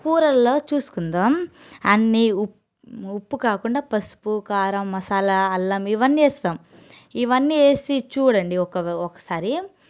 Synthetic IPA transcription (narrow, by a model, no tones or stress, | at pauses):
kuːɾɐlloːt͡ʃuːsu̥kund̪aːm | ɐnːiu | upːukaːkuɳɖaːpɐsu̥pukaːɾɐmːɐsaːlɐɐlːɐmiʋɐnːieːst̪aːm | iʋɐnːie̞ːsit͡ʃuːɽɐɳɖiɔkɐʋɔkɐ̥saːɾi